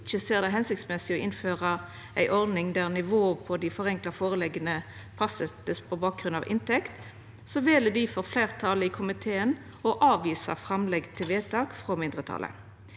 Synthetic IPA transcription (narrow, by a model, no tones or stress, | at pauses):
çəseːʁd̪ɛɦɛnsɪk̚t̪smɛsɪɔʔɪnføːʁə | ʔæ̰ɪʔɔʁd̪nɪŋd̪æʁnɪʋoːəpʰɔd̪ɪfɔʁɛŋklɑfoːʁəlɛɡənə | pʰɑsɛt̪əspʰɔbɑːk̚ɡʁʉnɑ̰ʋʔɪ̰nt̪ɛkt̪ | sɔʋɛːləd̪ɪfɔʁfleːʁt̪ʰɑləɪkʰʊmɪt̪ʰeːən | ɔʔɑːʋiːsɑ̰fʁɑmlɛɡt̪ʰeʋeːt̪ʰɑːkfʁɔmɪnd̪ʁət̪ʰɑ̰lʔə̰